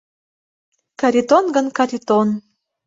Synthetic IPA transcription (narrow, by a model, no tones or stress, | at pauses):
kɑɾit̪onɡənkaɾʲit̪on